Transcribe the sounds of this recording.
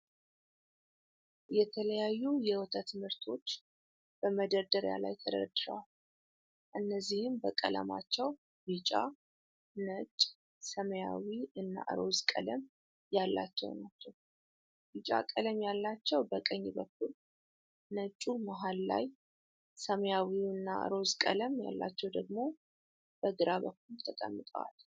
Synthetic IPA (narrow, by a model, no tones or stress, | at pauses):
jɛt̪ʰələjajːujɛwɔt̪ʰət̪mɨɾt̪ʰo̞t͡ʃː | b̥əməd̪əɾd̪əɾja̰la̰jt̪ʰəd̪ə̰ɾəd̪ɨɾəwal | ʔɨnːəzːihɨmbəkʼələ̰ma̰t͡ʃːɛw | bɨt͡ʃʼa̰ | nət͡ʃʼ | səməja̰wiʔɨnːa̰ʔə̰ɾozkʼə̰ləm | jalːat͡ʃːɛ̰wnat͡ʃːɛw | bit͡ʃʼa̰kʼələmjalːat͡ʃːɛwbəkʼəɲːbək̚ʰːul | nət͡ʃʼumaɦalːa̰j | səməjawiɨnːa̰ʔə̰ɾo̞zkʼələmja̰lːa̰t͡ʃːɛwd̪əɡmo̞ | b̥əɡɨɾaβək̚ʰːult̪ʰəkʼə̰mːɨt̪ʼəwa̰l